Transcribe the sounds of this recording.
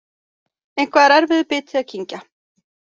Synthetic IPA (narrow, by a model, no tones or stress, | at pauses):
ejn̥kʰvaðɾɛɾvɪðʏpɪːt̪ʰɪaðcʰiɲca